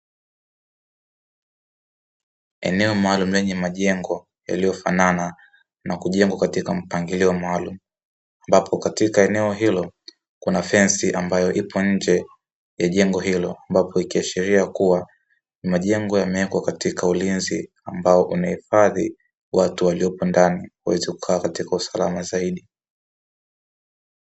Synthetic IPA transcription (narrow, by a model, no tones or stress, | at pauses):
ɛ̰nɛɔmaalum̩lɛɲɛmaʄɛŋɡɔ | ja̰lijɔfanana | nakuʄɛŋɡwakatikam̩paŋɡiliɔmaalumu | ambapʰɔkatikaɛnɛɔɦilɔ | kunafɛnsiʔambajɔʔipʰɔɲ̩d͡ʒɛ | jaʄɛŋɡɔɦilɔambapʰɔikiaʃiɾiakuwa | nimaʄɛŋɡɔjamɛɛkwakatikaulinzi | ambaɔʔunahifaði | watuwalijɔpɔndaniwuwɛziku̥kʰaːkatikausalamazaiɗi